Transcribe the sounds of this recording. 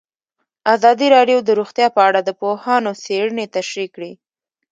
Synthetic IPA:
azɑd̪iɾɑɖjod̪əɾuxt̪jɑpəaɽad̪əpohɑnoseɽənet̪aʃɾikɽi

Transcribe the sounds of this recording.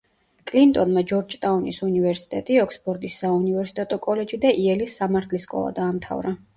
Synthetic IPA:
kʼlint̪ʼɔnmad͡ʒɔɾd͡ʒt̪ʼaunisunivɛɾsi̥t̪ʼɛt̪ʼiɔkspʰɔɾd̪isːaunivɛɾsi̥t̪ʼɛt̪ʼɔkʼɔlɛd͡ʒid̪aʔiɛlisːamaɾt̪ʰliskʼɔ̰lˠa̰d̪aːmt̪ʰa̰vɾa

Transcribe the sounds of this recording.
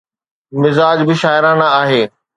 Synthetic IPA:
mɪzaːd͡ʑbɪʃaːɪɾãːnãaːɦeː

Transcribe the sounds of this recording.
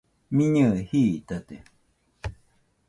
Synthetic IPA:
mĩɲɨhiːt̪at̪e

